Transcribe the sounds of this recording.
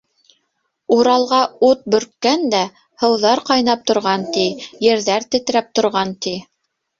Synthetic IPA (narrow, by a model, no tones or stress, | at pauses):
uɾɑlˠʁɑut̪̚bɵ̆ɾk̪̚kænd̪æ | hɤ̆wðɑɾqɑjnɑp̚t̪ŏɾʁɑnt̪ijɘ̆ɾðæɾt̪ɘ̆t̪̆ɾæp̚t̪ŏɾʁɑnt̪i